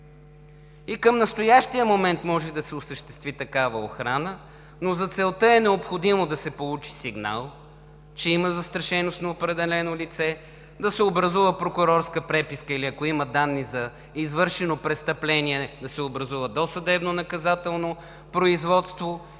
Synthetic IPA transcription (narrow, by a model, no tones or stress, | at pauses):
ikəmnɐst̪ojaʃt̪ijəmomɛnt̪mɔʒɛd̪ɐsɛosəʃt̪ɛ̥st̪vit̪ɐkavəoxɾanə | nozɐt̪sɛlˠt̪əɛnɛopxod̪imod̪ɐsɛpolˠut͡ʃi̥siɡna̰lˠ | t͡ʃɛiməzɐst̪ɾɐʃɛnost̪nɐopɾɛd̪ɛlɛnolit̪sɛ | d̪ɐsɛobɾɐzuvəpɾokʊɾɔɾskəpɾɛpiskəiliɐkoiməd̪anːizɐ | izvɤɾʃɛnopɾɛst̪ɐplɛniɛd̪ɐsɛobɾɐzuvəd̪ɔsɐd̪ɛbnonɐkɐzat̪ɛlˠno | pɾoizvɔt̪st̪vo